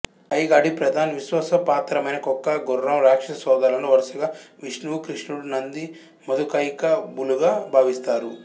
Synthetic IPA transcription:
ɐjɡaːɖipɾɐd̪ʱaːnɐʋiʃʋɐsɐpaːt̪ɾɐmɐjnɐkɔkːɐɡɔrːɐmɾaːkʂɐɐsɔːd̪aːlɐnoʋɐɾʃɐɡaːʋiʂnuʋkɾiʂnuɽunɐnd̪i | mɐd̪ukɐjkɐbuluɡaːbʱaːʋist̪aːɾu

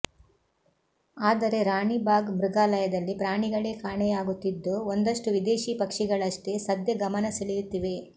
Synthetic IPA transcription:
aːd̪ɐɾe̞ɾaːɳibaːɡmɾuɡaːlɐjɐd̪ɐlːipɾaːɳiɡɐɭeːkaːɳɛjaːɡut̪ːid̪ːoond̪ɐʂʈuʋid̪e̞ːʃiːpɐkʂiɡɐɭɐʂʈe̞sɐd̪jɐɡɐmɐnɐseɭijut̪ːiʋe̞

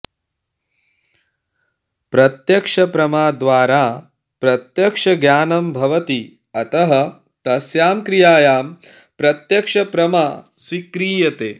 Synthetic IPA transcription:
pɾɐt̪jɐkʂɐpɾɐmaːd̪ʋaːɾaː | pɾɐt̪jɐkʂɐɡjaːnɐmbʱɐʋɐt̪i | ɐt̪ɐɦɐ | t̪ɐsjaːmkɾijaːjaːm | pɾɐt̪jɐkʂɐpɾɐmaː | sʋikɾiːjɐt̪eː

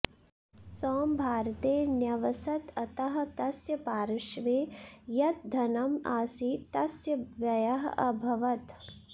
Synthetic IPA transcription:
sɔːmbʱaːɾɐt̪eːnjɐʋɐsɐt̪ɐt̪ɐɦɐ̆t̪ɐsjɐpaːɾɪʃʋeːjɐt̪̚d̪ʱɐnɐmaːsit̪ɐsjɐʋjɐjɐɦɐɐbʱɐʋɐt̪

